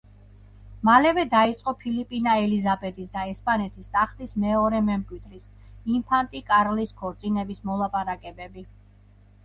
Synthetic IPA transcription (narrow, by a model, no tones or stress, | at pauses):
malɛvɛd̪ait̪sʼqʼɔpʰilipʼinaɛlizabɛd̪isd̪aɛspʼanɛt̪ʰist̪ʼaχt̪ismɛɔɾɛmɛmkʼwid̪ɾis | impʰant̪ʼikʼaɾliskʰɔɾt̪sʼinɛbismɔlˠapʼaɾakʼɛbɛbi